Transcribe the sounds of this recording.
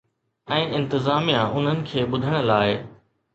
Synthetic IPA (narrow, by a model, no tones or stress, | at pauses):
ɛ̃ːʔɪ̃nt̪ɪzaːmijãʔʊn̤ənɪ̆kʰeːɓʊd̪ʱəɽ̃ə̆laːɪ